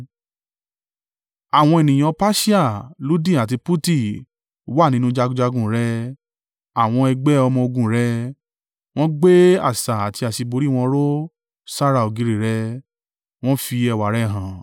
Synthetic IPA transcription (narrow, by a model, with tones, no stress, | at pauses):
a˨w̃ɔ̃˧e˨nĩ˨j̃ã˨˧pa˦ʃi˦a˦˨lu˦dĩ˦˨a˨ti˧pu˦ti˦˨˦ | wa˦˨nĩ˦nũ˦d͡ʒa˧ɡũ˧d͡ʒa˧ɡũ˨ɾɛ˧˦ | a˨w̃ɔ̃˧ɛ˧ɡ͡bɛ˦ɔ˧mɔ̃˧o˧ɡũ˧˨ɾɛ˧˦ | w̃ɔ̃˦ɡ͡be˦a̰˦˨sa˨a˨ti˧a˨ʃi˧bo˧ɾi˦˨w̃ɔ̃˧˦ɾo˦ | sa˦ɾa˧˨o˨ɡi˨˧˦ɾi˨ɾɛ˧ | w̃ɔ̃˦fi˧ɛ˧˨wa˨ɾɛ˦˨ɦã˨